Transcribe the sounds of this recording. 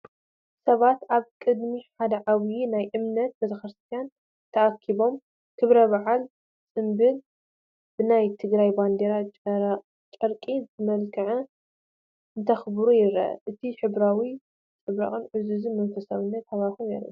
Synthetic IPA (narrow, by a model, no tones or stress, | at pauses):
sɐβat̪ʔaβkʼɨd̪miħad̪ɐʕaβjinajʔɨmnɐt̪̚bɐt̪ʰɐxɾɨst̪ʰijan | t̪ʰɐakʰːiβo̞m | kʰɨβɾɐβaʕal | t͡sʼɨmbɨl | bɨnajt̪ʰɨɡɾajband̪eɾa | t͡ʃʼɐɾkʼitʰɨmɐlkʰɐʕɐ | ɨnt̪ʰɐxbɾujɪɾɐ̰ʔɐ̰ʔɨt̪ʰiħɨβɾawi | t͡sʼɨβɾɐ̰kʼɨnʕɨzɨzɨmɐnfɐsawɨnːɐt̪haβaɾxomnḛɾɨ̰